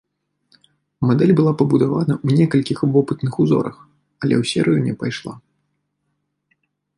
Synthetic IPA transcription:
mad̪ɛlʲbɨlˠapɐbud̪avanɐwnʲɛkɐlʲkʲixvɔpɨt̪nɨxuzɔ̰ɾɐ̰x | ɐlʲɛ̰wsʲɛ̰ɾɨjunʲɛpajʂlˠa̰

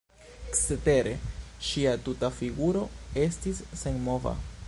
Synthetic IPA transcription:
ksete̞ɾe̞ʃiatutafiɡuɾo̞e̞stisːe̞nmo̞va̰

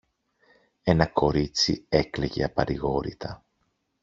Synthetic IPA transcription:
e̞nɐko̞ɾit͡sḭe̞kleʝe̞̰ɐpɐɾiɣo̞ɾḭt̪ʰɐ

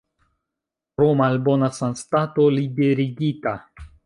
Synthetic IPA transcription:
pɾomalbonasanstato̞libe̞ɾiɡita

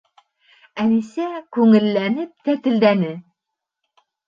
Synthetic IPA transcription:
ænisækʉŋɘ̆lːænɘp̚t̪æt̪ɘ̆ld̪ænɘ

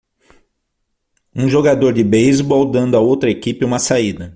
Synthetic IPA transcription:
ũʒoɡad̪oɾd͡ʒɪbejzbɔwd̪ɐ̃nd̪ʊaowt̪ɾɐekipɪũmɐsaid̪ɐ

